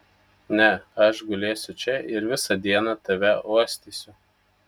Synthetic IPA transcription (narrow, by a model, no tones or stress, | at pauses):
nʲɛɐʃɡʊlʲeːsʲʊt͡ʃʲɛʔɪɾʋʲɪsɐd̪ʲiɛnɐt̪ɐʋʲɛuɔsʲt̪ʲiːsʲʊ